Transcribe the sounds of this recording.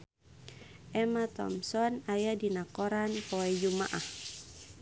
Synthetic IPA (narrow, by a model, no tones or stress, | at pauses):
ʔɛmat̪ɔ̰msɔnajadinakɔɾanpɔɛd͡ʒumaʔah